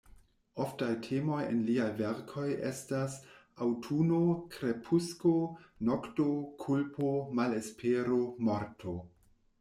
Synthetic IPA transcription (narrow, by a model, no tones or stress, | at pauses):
oftajtʰemo̞jḛnliajveɾkʰo̞jḛstas | awtʰunokɾe̞pʰuskonoktokʰulpʰomalespʰeɾomoɾtʰo